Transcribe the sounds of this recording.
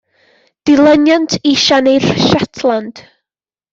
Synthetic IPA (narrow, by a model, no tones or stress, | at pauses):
d̥ɪlˠənjantʰɪʃanejr̥ʃatʰlˠand̥